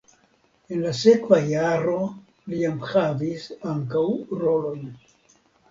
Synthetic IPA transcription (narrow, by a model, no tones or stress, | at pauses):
e̞nlase̞kvajaɾo̞ | liamhavisaŋkawɾo̞lo̞jn